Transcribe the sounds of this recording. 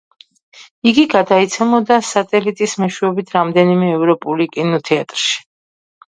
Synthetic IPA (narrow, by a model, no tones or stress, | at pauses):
iɡiɡad̪ait̪sʰɛmɔd̪asat̪ʼɛlit̪ʼismɛʃwɛɔbit̪ʰɾamd̪ɛnimɛːvɾɔpʼulikʼinɔt̪ʰɛat̪ʼɾʃi̥